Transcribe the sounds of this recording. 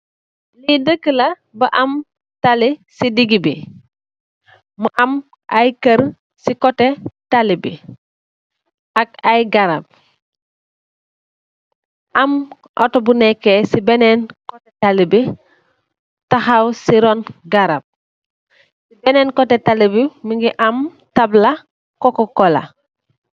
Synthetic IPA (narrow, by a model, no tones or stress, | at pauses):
lidəkːəlɐ | bɐʔɐm | talisidiɡibi | məʔɐm | ʔɐjkəɾ | sikɔtɛtalibi | ʔɐk̚ɐjɡaɾap̚ | ʔam | ʔɔ̰tobunɛkːesibenɛnkɔtetalibi | taxawsiɾɔnɡaɾab̚ | sibɛnɛːnkɔtetalibimiŋɡiʔam | tabla | kɔkɔkɔla̰